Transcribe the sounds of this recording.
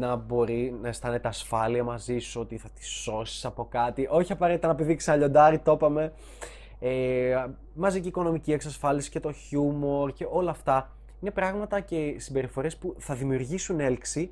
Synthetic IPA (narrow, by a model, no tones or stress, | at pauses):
nɐbo̞ɾinɐest̪ɐne̞t̪eɐsfɐliɐmɐzisuo̞t̪iθɐt̪i̥so̞si̥sɐpo̞kɐt̪iʔo̞çiɐpɐɾe̞t̪it̪ɐnɐpiðikseɐʎo̞nd̪ɐɾit̪o̞pɐme̞ | e | mɐziceiːko̞no̞micie̞ksɐsfɐlisi̥ce̞t̪o̞çumo̞ɾce̞ʔo̞lɐːft̪ɐ | ine̞pɾɐɣmɐt̪ɐce̞simbe̞ɾifo̞ɾiespuθɐðimiuɾʝisune̞lksi